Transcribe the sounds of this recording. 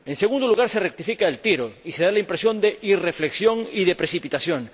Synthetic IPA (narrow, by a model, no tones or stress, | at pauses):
enseɣ̞ũnd̪oluɣaɾserek̚t̪ifikaelt̪iɾoiseð̞alaimpɾesjõ̞nd̪eʔirefleksjoŋiðepɾesipit̪asjoŋ